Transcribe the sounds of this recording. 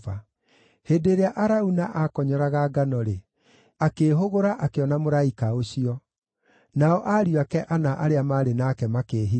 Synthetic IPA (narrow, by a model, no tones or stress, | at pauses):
a | hedeɾeaʔaɾaunaʔakɔɲɔɾaɣaɡanɔɾe | akeːɦoɣoɾaʔakeɔnamoɾaikaoɕiɔ | naɔʔaːɾiwakɛʔanaʔaɾeamaːɾenakɛmakeːɦi